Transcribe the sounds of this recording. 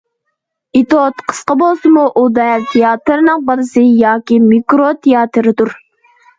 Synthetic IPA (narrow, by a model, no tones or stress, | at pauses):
it̪ot̪qʰə̥sqɑbolˠsɨmuʔud̪ɑjlt̪ʰejɑːt̪ɨɾɨnɨŋbɑɾɨsɨjɑːkʲimikɾot̪ʰejɑːt̪ʰɨɾɨd̪uɾ